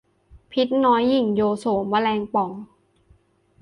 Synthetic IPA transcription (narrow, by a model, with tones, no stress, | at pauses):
pʰi˦˥t̪̚nɔː˦˥jːi˨˩ŋjoː˧soː˨˩˦mwa˧lɛː˧ŋpɔ˨˩˦ŋ